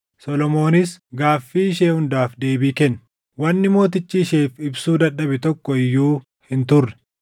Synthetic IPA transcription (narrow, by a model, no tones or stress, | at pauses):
sɔlɔmo̞ːnɪs̬ɡaːfːiːɪʃeːhʊnd̪aːfd̪e̞ːbiːkɛnː | wɐnːɪmo̞ːt̪̬ɪt͡ʃːiːʃeːfɪbsuːd̪ɐᶑɐbɪt̪ɔkːɔɪjːuː | hɪnt̪ʊrːɛ̥